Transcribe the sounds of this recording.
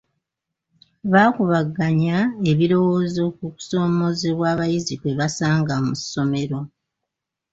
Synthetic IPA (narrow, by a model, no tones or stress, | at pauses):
βaːkuβaɡːaɲae̞βiɾo̞woːzo̞kuku̥so̞ːmo̞zeβwaːβajizikwe̞βasaːŋɡamusːo̞me̞ɾo̞